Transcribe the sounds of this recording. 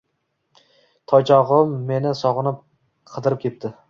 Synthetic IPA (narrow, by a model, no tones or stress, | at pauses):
t̪ʰɒjt͡ʃʰɒʁɨmːe̞nɪsɒʁɨnɪp̚ | qʰɨd̪ɪɾɪp̚kʲʰe̞p̚t̪ʰɪ